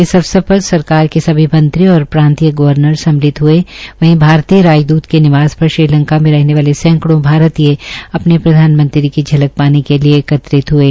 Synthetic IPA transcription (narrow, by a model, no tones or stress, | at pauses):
ɪsɐbsɐpɐsɐɾkaːɾkesɐbʱimɐ̃nt̪ɾiɔːɾpɾãːnt̪ijəɡɐʋəɾnəɾsɐ̃mlɪt̪ɦʊeʋɐɦĩbʱaːɾt̪ijəɾaːd͡ʒd̪uːt̪kenɪʋaːzpɐɾʃɾiɾlɐ̃ŋkamẽɾɐɦneʋaːlesɛ̃ːŋkɽõbʱaːɾət̪ijeɐpnepɾɐd̪ʱaːnmə̃nt̪ɾikid͡ʒʱɐlək̚paːnikelieːkɐt̪ɾɪt̪ɦʊeː